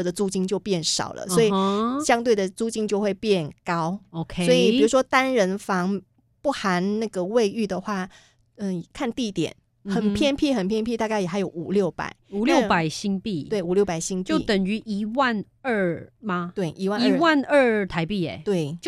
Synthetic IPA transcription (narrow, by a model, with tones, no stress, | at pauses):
d̪ə˨t͡su˥t͡ɕi˥ŋt͡ɕjo˥˧ʊpjɛ˥˩nʂɑ̰˨˩ʊlə̰˦swɔ˧˥i˨˩ɕjɑ˥ŋt̪̬we˥˩ɪd̪ə˩t͡su˥t͡ɕi˥ŋt͡ɕjo˥˧ʊxwe˥˧ɪpjɛ˥˩nkɑ˥ʊo˧kʰe˧swɔ˧˥i˨˩pi˩ɻu˧˥ʂwɔ˥t̪a˥nɻə˧˦˥nfɑ˧˥ŋ | pu˥˩xa˧˦nna˥˩ɡə˩we˥˧ɪy˥˩d̪ə˩xwa˥˩ | ə˧˨˩kʰa˥˧nt̪i˥˧t̪jɛ̰˨˩˦n | xə˨˩npʰjɛ˥npʰi˥˩xə˨˩npʰjɛ˥˧npʰi˥˧t̪a˥˧ka˥˩ɪjɛ˨˩xa˧˥ɪjo˨˧˩ʊu˨˩ljo˥˩ʊpa̰˨˩˦ɪu˨ljo˥˨ʊpa˨˩ɪɕi˥ŋpi˥˩t̪we˥˩ɪu˨˩ljo˥˩pa˨˩ɪɕi˥ŋpt͡ɕjo˥˨˩t̪ə˨˩ŋy˧˦ʔi˧˥wa˥˧n | ə˥˧ma˧t̪we˥˩ɪʔi˧˥wa˥˧i˧˦˥wa˥˨nə˥˧t̪ʰa˧˥ɪpi˥˩ḛ˨˩t̪we˥˩ɪt͡ɕ